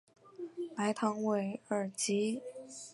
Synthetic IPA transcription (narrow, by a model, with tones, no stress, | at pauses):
pa˧˥ɪt̪ʰɑ˧˥ŋwe˧˩ɪə˞˨˩t͡ɕi˧˥